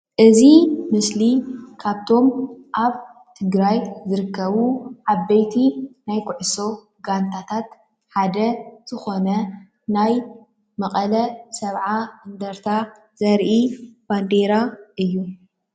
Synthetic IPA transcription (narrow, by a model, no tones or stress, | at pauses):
ʔɨzimɨslikʰaβt̪ʰo̞mʔaβ | t̪ʰɨɡɾajzɨɾɨkʰːɐβuʕaβːejt̪ʰinajkʰuʕɨso̞ | ɡant̪ʰat̪ʰat̪ | ħad̪ɐz̥ɨxo̞nɐ | naj | mɐqʼɐlɐsɐβʕaɨnd̪ɐɾt̪ʰa | z̥ɐɾʔib̥and̪eɾaʔɨjːu